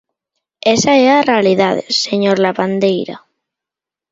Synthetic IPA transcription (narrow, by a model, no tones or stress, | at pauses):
esaeɾarealiðaðḛsːeɲoɾlaβand̪ejɾa̰